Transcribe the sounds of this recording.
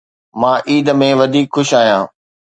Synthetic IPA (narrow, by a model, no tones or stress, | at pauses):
mãːʔiːd̪ə̆mẽʋɐd̪ʱiːkxʊʃaːɦjãː